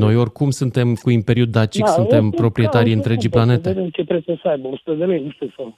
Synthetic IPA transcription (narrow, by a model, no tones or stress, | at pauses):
no̞jo̞rʲkumsunt̪e̞mkuimpe̞ɾiuat͡ʃikssune̞mpɾo̞pɾie̞t̪aɾiɨnt̪ɾe̞d͡ʒiplane̞t̪eemt͡ʃep̪ɾesəsəajbəosu̥t̪ed̪elejnuʃt̪eso